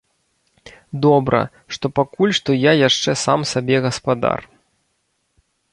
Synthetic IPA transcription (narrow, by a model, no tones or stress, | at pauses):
d̪ɔbɾʔɐ̰ | ʂt̪ɔpakulʲʂt̪ɔjajaʂt͡ʂɛsa̰msabʲɛɣɐspad̪a̰r